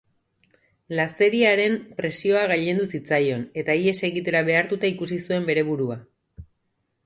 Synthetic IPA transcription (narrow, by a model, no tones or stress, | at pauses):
last̪e̞ɾiaɾe̞mpɾe̞sio̞aɣaʎe̞nd̪usit͡sajo̞ne̞t̪aie̞se̞ɣit̪e̞ɾaβe̞aɾt̪ut̪aikusisue̞mbe̞ɾe̞βuɾua